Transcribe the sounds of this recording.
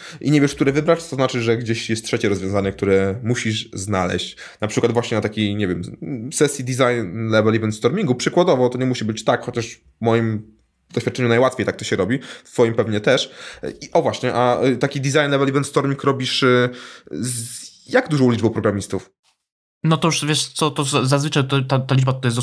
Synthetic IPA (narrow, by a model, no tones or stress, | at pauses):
ʔiɲevʲjɛʂk̚t̪uɾɛvɘbɾaʂt̪ɔznat͡ʂɘʐɛɡd͡ʑeɕɛst̪tʂɛt͡ɕɛɾɔzvjɔ̃zaɲɛk̚t̪uɾɛmuɕiʂznalɛ̰ɕt͡ɕ | napʂɘkwad̪vwaɕɲɛnat̪akʲijɲɛvʲɛmsɛsʲjid̪ʲizajnlɛvɛlibɛnst̪ɔɾmʲiŋɡupʂɘkwad̪ɔvɔt̪ɔɲɛmuɕibɘt͡ɕt̪akxɔt͡ɕaʂ | mɔjim | d̪ɔɕfʲjat̪̚ːt͡ʂɛɲunajwat̪fʲejt̪ak̚t̪ɔɕɛɾɔbʲift̪fɔjimpɛvɲɛt̪ɛʂiʔɔvwaɕɲɛʔat̪akʲid̪izajnlɛvɛlibɛnt̪st̪ɔɾmʲiŋkɾɔbʲiʂ | zjaɡd̪uʐɔ̃w̃lʲid͡ʐbɛwpɾɔɡɾamʲist̪uf | nɔt̪ɔjuʂvʲjɛʂt̪sɔt̪ɔzazvɘt͡ʂajt̪ɔt̪at̪alʲid͡ʐbat̪ɔjɛs̬d̪